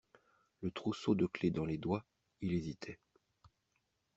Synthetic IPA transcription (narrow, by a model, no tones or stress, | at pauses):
lət̪χusod̪əkled̪ɑ̃led̪wa | ilezit̪ʰɛ